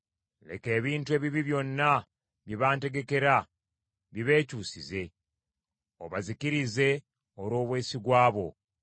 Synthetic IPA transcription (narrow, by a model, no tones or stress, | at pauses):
le̞̰ke̞ːβiːntue̞ːβiβiβjo̞nːa | βjiβaːnte̞ɡe̞ke̞ɾa | βiβe̞ːcuːsize̞ | oβazikiɾize̞ | oɾo̞ːβwe̞ːsiɡwaːβo̞̰